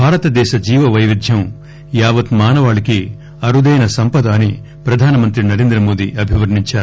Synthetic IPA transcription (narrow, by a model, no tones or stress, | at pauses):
bʱaːɾɐt̪ɐd̪ɛːʃɐd͡ʒiːʋɐʋɐjʋid̪ʱjɐm | jaːʋɐt̪maːnɐʋaːɭiki | ɐɾud̪ɐjnɐsɐmpɐd̪aːni | pɾɐd̪ʱaːnɐmɐnt̪ɾinɐɾeːnd̪ɾɐmo̞ːd̪iɐbʱiʋɐɾɳiɲt͡ʃaːɾu